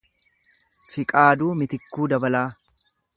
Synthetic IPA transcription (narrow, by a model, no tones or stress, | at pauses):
fɪkʼaːd̪uːmɪt̪ɪkːuːd̪ɐbɐlaː